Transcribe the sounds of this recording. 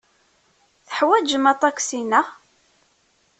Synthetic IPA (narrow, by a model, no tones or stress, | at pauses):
θə̥ħwæd͡ʒəmæt̪ˤɑksinæ